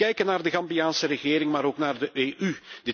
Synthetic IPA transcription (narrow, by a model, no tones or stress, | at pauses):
ɛjkənaːrdəɣɑmbijaːnsəɾəɣɪːɾɪŋmaːɾoːknaːrdəʔeːʔyd̥ɪ